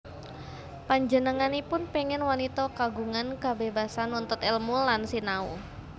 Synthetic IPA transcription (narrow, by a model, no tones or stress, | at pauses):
paɲd͡ʒənəŋanipʊnpeŋɛnwanit̪ɔkaɡuŋankabebasanunt̪ʊt̪ɛlmulansinau